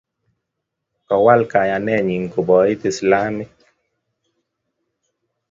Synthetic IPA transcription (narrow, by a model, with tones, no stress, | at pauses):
kɔ˨wa˦lka˨ja˨nɛ˦˨ɲi˨ŋ˨ko˨bɔ˨˦i˦t̪e˨sla˦me˦